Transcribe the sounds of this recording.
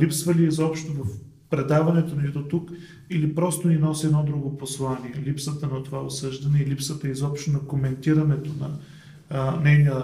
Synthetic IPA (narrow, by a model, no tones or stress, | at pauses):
lipsvɐliːzɔpʃt̪ovɐf | pɾɛd̪avɐnɛt̪onit̪ot̪uk | ilipɾɔst̪oninɔsiɛd̪nɔd̪ɾuɡoposlˠaniɛlipsət̪ənɐt̪ovao̰sɤʒd̪ɐnɛilipsət̪əizɔpʃt̪onɐkomɛnt̪iɾɐnɛt̪onɐ | nɛjnijə